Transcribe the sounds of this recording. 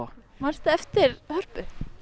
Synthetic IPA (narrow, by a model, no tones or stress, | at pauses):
maɾ̥st̪aɛft̪ɪɾhœr̥pʏ